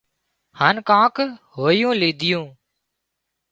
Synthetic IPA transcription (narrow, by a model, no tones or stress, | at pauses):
haːnkãːkhoːjũːliːd̪ʱɪjũː